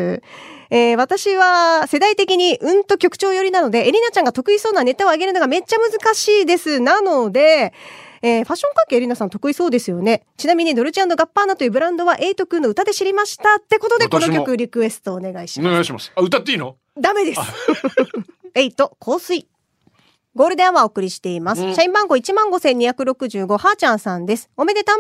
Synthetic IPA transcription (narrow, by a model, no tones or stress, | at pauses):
eːβat̪aɕiβase̞d̪ait̪e̞kʲiɲ̟iʔɯ̟̃nt̪o̞kʲo̞kɯ̟̥t͡ɕo̞ːjo̞ɾʲinano̞d̪e̞ʔeɾʲinat͡ɕãŋɡat̪o̞kɯ̟iso̞ːnane̞t̪aoaɡe̞ɾɯnoɡame̞t͡ɕːamɯ̟zɨkaɕiːd̪e̞sɨnano̞d̪e̞ | eːɸaɕːoŋkãŋke̞ːɾʲinasãnt̪o̞kɯ̟iso̞ːd̪e̞sɨjo̞ne̞t͡ɕinamʲiɲ̟id̪o̞ɾɯ̟t͡ɕiãnːo̞ɡapːaːnat̪o̞jɯbɯ̟ɾãnd̪o̞βaʔe̞it̪o̞kɯ̟̃ːnːo̞ɯ̟t̪ad̪e̞ɕiɾʲimaɕi̥t̪at̪ːe̞ko̞t̪o̞d̪ek̪onokʲo̞kɯ̟ɾʲikɯ̟e̞sɨ̥t̪o̞ːne̞ɡaiɕineɡajɕima̰saɯt̪at̪ːeiːno | d̪ame̞d̪e̞sɨ̥s | e̞it̪o̞kʰo̞ːsɨi | ɡoːɾɯ̟d̪eãβao̞ːkɯ̟ɾʲiɕi̥t̪e̞imasɨ̥ɕaĩmbãŋɡo̞it͡ɕimãŋɡo̞sẽ̞ɲ̟ːiçakɯ̟ɾo̞kɯ̟ʑɨːɡo̞haːt͡ɕãɰ̃sãnd̪e̞sɨ̥o̞me̞d̪e̞t̪a